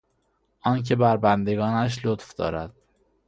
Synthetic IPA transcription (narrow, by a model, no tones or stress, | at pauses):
ʔɒːncʰe̞bæɾbænd̪e̞ɡɒːnæʃ̬lot̪fd̪ɒ̰ːɾæd̪̥